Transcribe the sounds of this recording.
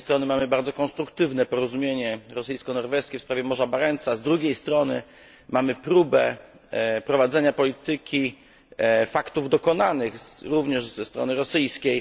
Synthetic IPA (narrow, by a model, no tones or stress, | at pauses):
st̪ɾɔnɘmamɘbaɾd̪zɔkɔ̃nst̪ɾukt̪ɘvn̪ɛpɔɾɔzumʲjeɲɛɾɔsɘjskɔnɔɾvɛskʲɛfspɾavjɛmɔʐabaɾɛnt̪sazd̪ɾuɡʲejst̪ɾɔnɘ | mamɘpɾubɛ | pɾɔvad̪zɛɲapɔlʲit̪ɘkʲi | fakt̪uvd̪ɔkɔnanɘɣɾuvɲɛʐzɛst̪ɾɔ̰nɘɾɔsɘjskʲej